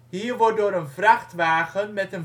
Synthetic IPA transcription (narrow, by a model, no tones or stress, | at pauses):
ɦiːɹʋɔɹt̚dʊːɾənvrɑχtʋaːχənmɛtən